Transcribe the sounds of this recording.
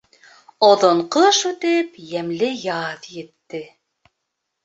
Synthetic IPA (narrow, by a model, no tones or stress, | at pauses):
ɒðŏɴqɤʃʉt̪ɘpjæmlɘjɑðjɘ̆t̪ːɘ